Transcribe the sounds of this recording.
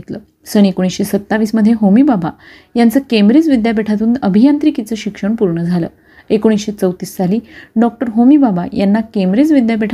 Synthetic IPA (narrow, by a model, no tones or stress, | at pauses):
t̪lə | səɳekoɽ̃isɕesət̪ːaʋiːsməd̪ʱːjeɦomibaba | jant͡səkemɾid͡zʋid̪jabeʈʰat̪̬uːnəbʱijant̪ɾikit͡səɕikʂəɳpuɾɳəd͡zʱalə̰ː | ekoɽ̃isɕet͡səwt̪iːsːaliːɖɔk̚ʈəɾɦomibaba̰janːakemɾed͡zʋid̪jabeʈʰ